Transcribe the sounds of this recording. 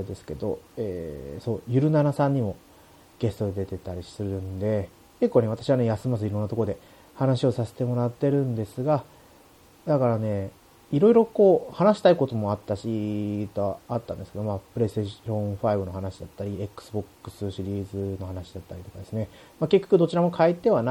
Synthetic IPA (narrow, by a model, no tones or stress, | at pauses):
aed̪e̞sɨ̥ke̞d̪o̞eːso̞ːjɯ̟ɾɯ̟naɾasãɲ̟ːimo̞ | ɡ̥e̞st̪o̞d̪ed̪e̞t̪e̞t̪aɾʲisɨɾɯ̟̃nd̪e̞ | kekːone̞β̞at̪aɕiβane̞jasɨmazɨiɾõ̞nːat̪okooe̞ | hanaɕio̞sase̞̥t̪e̞mo̞ɾat̪ːe̞ɾɯ̟̃nd̪e̞sɨɡa | d̪akaɾane̞ | iɾo̞iɾo̞ko̞ːhanaɕi̥t̪aiko̞t̪o̞mo̞at̪ːaɕit̪o̞at̪ːãnd̪esɨ̥keo̞maːpɯ̟ɾe̞sɨ̥eõ̞ɴ̃ɸaibɯ̟no̞hanaɕid̪at̪ːaɾʲiekːɯ̥sɨbo̞kːɯ̟̥sɨɕiɾʲiːzɨno̞hanaɕid̪at̪ːaɾʲit̪o̞kad̪e̞sɨne̞ | make̞kʲːḁkɯ̟d̪ot͡ɕiɾamo̞kʰaet̪ːe̞βana